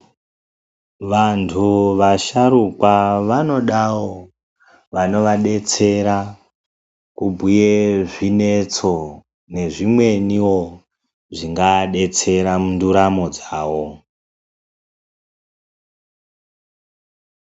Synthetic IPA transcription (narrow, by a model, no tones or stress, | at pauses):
ʋantʰuʋaʃaɾukwaʋano̞ɗawo | ʋano̞ʋaɗe̞t͡se̞ɾa | kubʱujeʐine̞t͡so̞ | ne̞ʐimwe̞niwo̞ | ʐiŋɡaɗe̞t͡se̞ɾamunduɾamo̞d͡zaːwo̞